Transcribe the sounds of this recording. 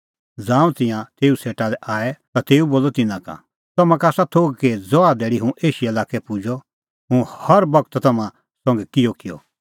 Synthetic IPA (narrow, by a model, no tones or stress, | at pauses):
d͡zãːũt̪ɪ̃jãt̪eːuseːʈalɛʔaːɛt̪at̪eːuboːlɔt̪ɪnãka̰ | t̪ɐmãkaːsat̪ʰoːɡ̚ked͡zɔaːd̪ɛːɽiɦũʔeːʃiɐlaːkɛpʊd͡ʒɔ | ɦũhɐɾbɐkət̪t̪ɐmã | sɐ̃ŋɡɛkɪjɔkɪjɔ̰